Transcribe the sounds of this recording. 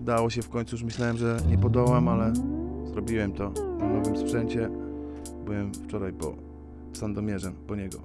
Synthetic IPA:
ud̪awɔɕɛfkɔɲʲt̪sujuʂ̬mɘɕlawɛmʐɛɲɛpɔd̪ɔwamalɛzɾɔbʲiwɛmt̪ɔnɔvɘmspʂɛɲt͡ɕɛ | bɘwɛmft͡ʂɔɾajpɔ̰ | sand̪ɔmʲjɛʐɛmpɔɲɛɡɔ̰

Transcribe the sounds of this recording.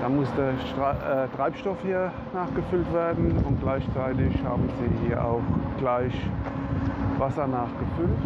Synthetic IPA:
d̥aːmʊsd̥eːɐɛːtʁ̥aɪpʃtɔfhiːɐ | naːχɡ̥əfʏltv̥eːɐdn̩ʊnt̚ɡ̥laɪçt͡saɪtɪçha̰ːbm̩ziːhiːɐʔa̰ʊxɡ̥laɪç | vasɐnaːχɡ̥əfʏlt

